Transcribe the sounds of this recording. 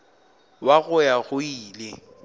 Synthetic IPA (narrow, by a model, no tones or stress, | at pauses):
waɣʊjaɣʊiːle